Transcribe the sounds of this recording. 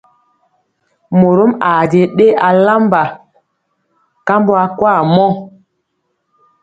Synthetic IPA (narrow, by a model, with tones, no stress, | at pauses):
mo˨ɾo˦ma˨de˨ɗe˦a˨la˦mba˨ | ka˦mbo˦a˨kwa˦˨mɔ˦